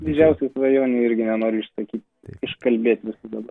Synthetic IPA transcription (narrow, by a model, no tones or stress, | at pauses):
d̪ʲɪd͡ʒʲɛʊsʲɛɪsʋɐjoːnʲɛɪɪɾʲɡʲɪnʲɛnoːɾʲɪʃsɐkʲiːt̪ʲ | ɪʃkɐlʲbʲeːt̪ʲʋʲɪsʊd̪ɐbɐ